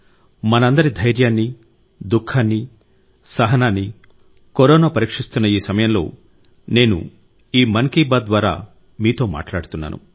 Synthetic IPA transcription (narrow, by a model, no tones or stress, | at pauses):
mɐnɐɐnd̪ɐɾid̪ʱɐjɾjaːnːi | d̪ukʰːaːnːi | sɐɦɐnaːnːi | koɾɔːnaːpɐɾiːkʂist̪unːɐiːsɐmɐjɐmlo̞̰ː | ne̞ːnṵ | iːmɐnkiːbaːd̪d̪ʋaːɾa̰ː | miːt̪o̞ːma̰ːʈlaːɽut̪unːa̰ːnṵ